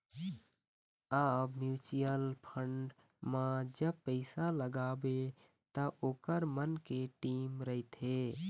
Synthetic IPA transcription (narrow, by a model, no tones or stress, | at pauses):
abmjut͡ʃijəlpʰəɳɖ | mãd͡ʒəbpəɪsaləɡabe | t̪əʔoːkəɾmənkeʈimɾəɦɪt̪ɦe